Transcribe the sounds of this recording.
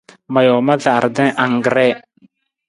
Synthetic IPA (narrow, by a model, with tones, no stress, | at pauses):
ma˨jɔ˨ma˦ɮa˨a˨ɾd̪ɛ̃˦ʔa˨ŋɡɾɛ˦